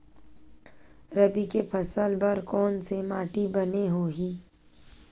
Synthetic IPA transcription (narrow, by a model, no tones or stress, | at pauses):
ɾɐbikepʰɐsəlbɐɾkɔːnsemaːʈibɐneɦoːɦiː